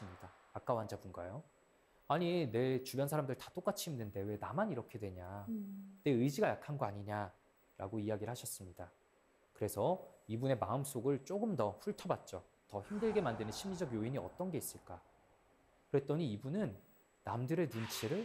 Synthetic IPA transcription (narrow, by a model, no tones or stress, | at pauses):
sɯmɲidaːk͈awɦand͡ʑabunɡa̰jo | aɲine̞t͡ɕubjʌnsʰaɾamdɯɭtḁt͈ok͈at͡ɕʰi̥himnɯnde̞we̞namaniɾʌkʰe̞dwe̞ɲane̞ɯjd͡ʑiɡajakʰanɡʌaɲiɲa | ɾa̰ɡoijaɡiɾɯɭhaɕʰʌs͈ɯmɲida | kɯɾe̞sʰʌibune̞maɯms͈oɡɯɭt͡ɕ͈oɡɯmdʌɸuɭtʰʌbat̚t͡ɕ͈o | tʌçimdɯɭɡe̞mandenɯnɕʰimɲid͡ʑʌɡjoiɲiʌ̰t͈ʌnɡe̞is͈ɯɭk͈a | kɯɾe̞t͈ʌɲiːbunɯnː | amdɯɾe̞nunt͡ɕʰeɾɯɭ